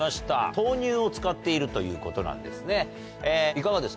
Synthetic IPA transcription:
aɕi̥t̪a̰t̪o̞ːɲʲɨːo̞t͡sɨ̥kat̪ːe̞iɾɯ̟t̪o̞jɯ̟̰ːko̞t̪o̞nã̰nd̪e̞̰sɨne̞ | eːikaɡad̪e̞s

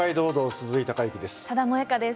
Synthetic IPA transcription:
aid̪o̞ːd̪oːsɨzɨit̪akaikʲid̪e̞sɨ̥t̪ad̪amoekad̪es

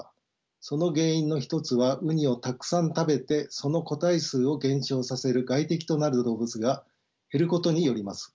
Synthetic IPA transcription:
so̞no̞ɡe̞ːĩnːo̞çi̥t̪o̞t͡sɨβaʔɯ̟ɲ̟io̞t̪akɯ̟̥sãnt̪abe̞t̪e̞so̞no̞ko̞t̪aisɨːo̞ɡẽ̞ɰ̃ɕo̞ːsase̞ɾɯ̟ɡait̪e̞kʲi̥t̪o̞naɾɯ̟d̪o̞ːbɯ̟t͡sɨɡa | he̞ɾɯ̟ko̞t̪o̞ɲ̟ijo̞ɾʲimasɨ̥

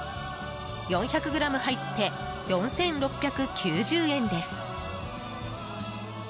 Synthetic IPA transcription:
jõ̞çʲakɯ̟ɡɯ̟ɾamɯ̟hait̪ːe̞ | jõ̞ñsẽ̞nɾo̞pʲːjakɯ̟kʲʰɨːʑɨːẽ̞nd̪e̞sɨ̥

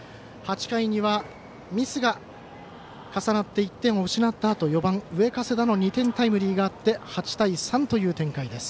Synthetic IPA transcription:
hat͡ɕi̥kaiɲ̟iβa | mʲisɨɡa | kasanat̪ːe̞it̪ːẽ̞ɰ̃oɯ̟ɕinat̪ːaːt̪o̞jo̞bãŋ̃ɯ̟e̞kase̞d̪ano̞ɲ̟it̪ẽ̞nt̪aimɯ̟ɾʲiːɡaːt̪ːe̞hat͡ɕi̥t̪aisãnt̪o̞jɯ̟ːt̪ẽ̞ŋkaid̪e̞sɨ̥

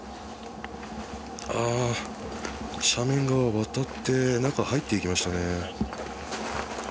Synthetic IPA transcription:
a | ɕamẽ̞ŋɡaβaβat̪at̪ːe̞nãŋkahait̪ːe̞ikʲimaɕi̥t̪ane̞

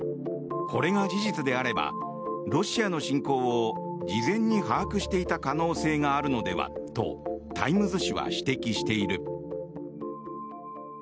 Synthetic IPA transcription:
kʰo̞ɾe̞ŋad͡ʑiʑit͡sɨd̪e̞aɾe̞ba̰ | ɾo̞ɕiano̞ɕĩŋko̞ːod͡ʑizẽ̞ɲ̟ːihaːkɯ̟ɕi̥t̪e̞it̪akano̞ːse̞ːŋaːɾɯ̟no̞d̪e̞̰βa̰t̪o̞̰t̪ʰa̰imɯ̟zɨɕiβa̰ɕi̥t̪e̞kʲiɕi̥t̪e̞iɾɯ̟

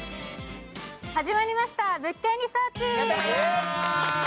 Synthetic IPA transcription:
had͡ʑimaɾʲimaɕi̥t̪abɯ̟kʲːeɲʲisoːt͡ɕi

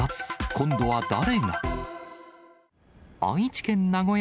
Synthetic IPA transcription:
at͡sɨ̥kʰõ̞nd̪o̞βad̪aɾe̞ɡa | ã̰ɰ̃it͡ɕi̥kẽ̞nːaɡo̞j

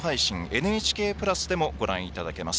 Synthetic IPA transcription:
ɦaiɕĩŋe̞nɯ̟et͡ɕi̥ke̞ːpɯ̟ɾasɨd̪e̞mo̞ɡo̞ɾã̰ɰ̃it̪ad̪ake̞masɨ̥

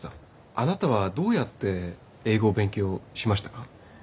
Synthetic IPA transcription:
t̪a | anat̪aβ̞ad̪o̞ːjat̪ːe̞ | eːɡo̞ːbẽ̞ŋkʲo̞ːɕimaɕi̥t̪ḁka

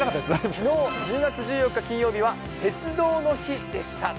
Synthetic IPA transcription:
nakat̪ːad̪esmino̞ːd͡ʑɨːɡat͡sɨʑɨːjo̞kːakʲĩɰ̃jo̞ːbʲiβ̞a | t̪e̞t͡sɨd̪o̞ːno̞çid̪e̞ɕi̥t̪a

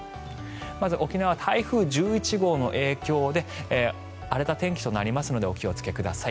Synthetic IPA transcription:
mazɨʔo̞kʲinaβat̪ʰaiɸɯ̟ːʑɨːit͡ɕiɡo̞ːno̞̰ʔe̞ːkʲo̞ːd̪e̞ | aɾe̞t̪at̪ẽ̞ŋkʲi̥t̪o̞naɾʲimasɨno̞d̪e̞o̞kʲio̞t͡sɨ̥ke̞kɯ̟d̪asai

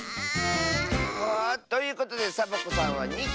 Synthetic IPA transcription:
at̪ːojɯ̟ːko̞t̪o̞d̪e̞sabokosãɰ̃βaɲi

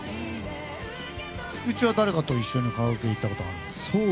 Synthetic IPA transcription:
çi̥kɯ̟t͡ɕiβad̪aɾe̞kat̪o̞iɕːo̞ɲ̟ikaβaɯkeit̪ːako̞t̪oaɾɯmassso

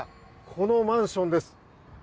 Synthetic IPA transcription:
kʰo̞nomãɰ̃ɕõ̞nd̪e̞sɨ̥

